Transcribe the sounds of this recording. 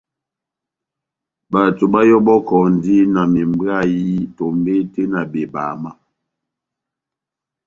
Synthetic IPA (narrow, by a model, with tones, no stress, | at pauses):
ba˨tu˨ba˦jɔ˦bɔ˦kɔ˨n̩˨di˦na˨mi˨mba˦˨ji˦to˨mbe˦te˦na˨be˨ba˨ma˦